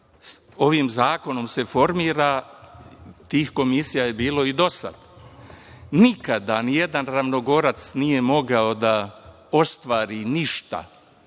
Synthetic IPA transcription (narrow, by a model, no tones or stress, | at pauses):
o̞ʋiːmzaːko̞no̞mse̞fo̞ɾmiːɾaː | t̪iːxko̞misijaje̞biːlo̞id̪o̞sa̰d̪̥ | nikad̪anije̞d̪anɾaʋno̞ɡo̞ɾat̪snije̞mo̞ɡao̞d̪a | o̞st̪ʋaːɾiniʃt̪a̰